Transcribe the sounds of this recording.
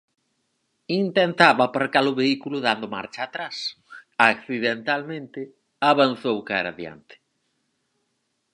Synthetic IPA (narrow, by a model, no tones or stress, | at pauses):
int̪ent̪aβaːpaɾkaɾʊβeikulʊðand̪ʊma̰ɾt͡ʃaːt̪ɾas | akθiðent̪almẽnt̪ɪ | aβan̟θowka̰ɾa̰ðja̰nt̪ɪ̥